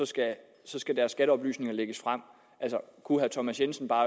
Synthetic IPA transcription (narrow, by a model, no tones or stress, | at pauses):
ɒ̽sɡ̥æ | sɒ̽sɡ̥æd̥æɐsːɡ̥æɾəɒ̽b̥ly̰ːsne̝ŋɐleɡ̥əsfʁam̰ | ʔælsɒkʰuɦæt͡sʰɒ̽mæsjensn̩b̥ɑ̈ː